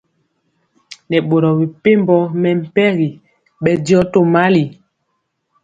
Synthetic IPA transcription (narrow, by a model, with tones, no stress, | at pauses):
nɛ˨ɓo˨ɾɔ˨bi˨pe˦mbɔ˦mɛ˨m̩˨pɛ˦ɣi˨ | ɓɛ˦dɔ˦to˦ma˦li˨